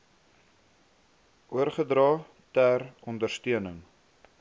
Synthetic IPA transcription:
ʔuərχədrɑː | tærɔndərstyənəŋ

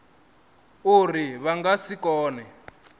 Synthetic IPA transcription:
uriβaŋɡasikɔːnɛ

